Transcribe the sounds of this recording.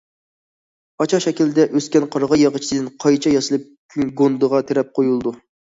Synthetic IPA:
ɑt͡ʃʰɑʃɛkʲilɪd̪ɛʔøskʲɛnqʰɑɾʁɑjɑʁət͡ʃʰi̥d̪ɨnqʰɑjt͡ʃʰɑjɑsɨlˠɨp̚ | ɡond̪əʁɑt̪ʰeɾɛp̚qʰojulˠd̪u

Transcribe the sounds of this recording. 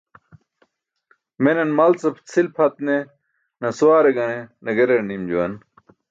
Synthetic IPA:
menɐnmɐlt͡sɐpʰt͡sʰilpʰɐt̪̚ne | nɐsuwaːɾeɡɐnenɐɡeɾenimd͡ʑuwɐn

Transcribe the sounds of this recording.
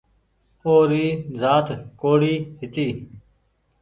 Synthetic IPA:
oːɾiːzaːt̪koːɽiːhɪt̪iː

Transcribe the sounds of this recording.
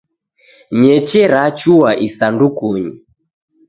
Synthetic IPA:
ɲɛt͡ʃɛɾat͡ʃuwaʔisandukuɲḭ

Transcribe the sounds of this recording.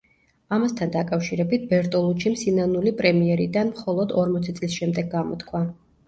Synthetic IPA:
amast̪ʰand̪akʼafʃiɾɛbit̪̚ʰbɛɾt̪ʼɔlˠut͡ʃʰimsinanulipʼɾɛmiɛɾid̪anmχɔlˠɔd̪ɔɾmɔt̪sʰɛt̪sʼlisʃɛmd̪ɛɡːamɔt̪kʰwa

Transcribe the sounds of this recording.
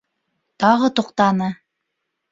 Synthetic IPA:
t̪ɑʁɤt̪ŏqt̪ɑnɤ

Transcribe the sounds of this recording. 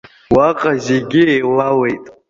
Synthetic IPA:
waqʼazeɡʲɪelawe̞jtʼ

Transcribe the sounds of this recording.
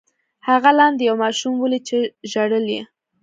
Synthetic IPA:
haɣalɑnd̪jawmɑʃumwəlit͡ʃeʒaɽəljḛ

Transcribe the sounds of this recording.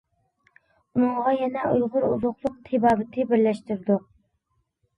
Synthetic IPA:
unɨŋʁɑjɛnɛujʁʊɾṵzʊχlˠʊq̚t̪ʰebɑːbɪt̪ʰɪbɪɾlɛʃt̪yɾd̪uq̚

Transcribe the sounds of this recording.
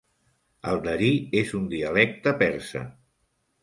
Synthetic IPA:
əlˠd̪əɾiezund̪iəlɛk̚t̪əpɛɾsə̰

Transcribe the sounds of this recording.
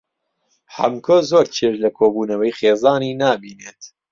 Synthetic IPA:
ħɐ̰mkʰozoːɾt͡ʃʰeɾlɐkʰoːbuːnɐwɛjxeːzɑːniːnaːbiːneːt̪

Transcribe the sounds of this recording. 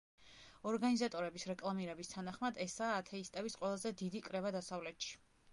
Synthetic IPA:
ɔɾɡanizat̪ʼɔɾɛbisɾɛkʼlˠamiɾɛbist̪ʰanaχmad̪ɛsaːt̪ʰɛist̪ʼɛvisqʼwɛlˠazɛd̪id̪ikʼɾɛvad̪asavlɛt̪ʃi̥

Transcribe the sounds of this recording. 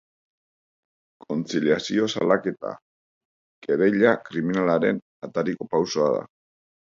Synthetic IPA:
kʰo̞nt͡siljasio̞salake̞t̪a̰ | keɾejʎakɾiminalaɾe̞n | at̪aɾiko̞pawso̞aða̰

